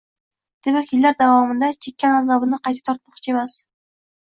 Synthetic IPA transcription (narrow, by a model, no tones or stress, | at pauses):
d̪̥e̞makʲjɪlːaɾd̪avɒmɪnd̪at͡ʃʰekʲːanazɒbɪnɪqʰɑjt̪ʰḁt̪ʰɒɾt̪̚mɒχt͡ʃʰɪe̞mas